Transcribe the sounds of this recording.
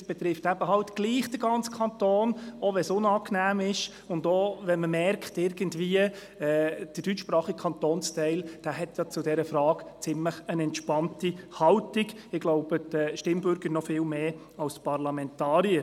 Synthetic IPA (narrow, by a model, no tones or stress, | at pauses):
sb̥ɛtɾɪftæb̥əɦɑltɡ̥liːχd̥əɡɑnt͡skʰɑntoːnɔʋɛsʊnɑːknæːmɪʃ | ʊndovɛnməmɛrkχtɪɾɡəndviːə | ɛd̥əd̥yt͡ʃʃpɾɑːχikʰɑntoːnstɛɪld̥æːɦɛtjɑt͡sʊdɛɾəfɾɑːɡ̥t͡sɪmləχənɛntʃpɑntihɑltiɡ | ɪɡ̥loʊb̥əd̥əʃtɪmbʏɾɡəɾnɔfɪːlmeː | ɑlspʰɑɾlɑmɛntɑːɾiəɾ